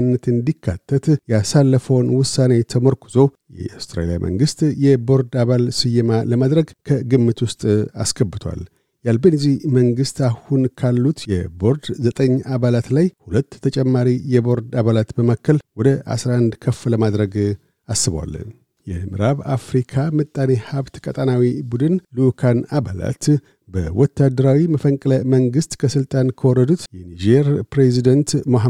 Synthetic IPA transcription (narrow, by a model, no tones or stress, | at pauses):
nːət̪ɨnd̪ikʰːat̪ʰːət̪jasalːəfəwnwʊsːane̞t̪ʰəməɾkʰuzo̞jɛ̰ast̪ɾa̰lija̰mʔə̰ŋɡɨst̪jɛbo̞ɾd̪aβalsɨjɪmaləmad̪ɾəɡkʰəɡɨmːɨt̪wʊst̪ʼa̰skʰəbːɨt̪ʰwa̰l | jalbənzihməŋɡɨst̪ahunkʰalːut̪jɛbo̞ɾd̪zət̪ʼəɲːaβalat̪lajhulət̪ːʰət͡ʃʼɛmːaɾijɛbo̞ɾd̪aβalat̪bəmakʰːəlwɔd̪əʔa̰sɾaʔand̪kʰəfːləmad̪ɾəɡ | asːɨβa̰lːə̰n | jɛ̰mɨɾaβafɾikʰamɨt̪ʼːanehaβt̪kʼət̪ʼanawibud̪ɨnlukʰanabala̰t̪ | bə̰wɔt̪ʰːad̪əɾawiməfəŋkʼləməŋɡɨst̪kʰəsɨlt̪ʼankʰəwɔɾəd̪ut̪jɛnid͡ʒeɾpɾezid̪ənt̪moɦa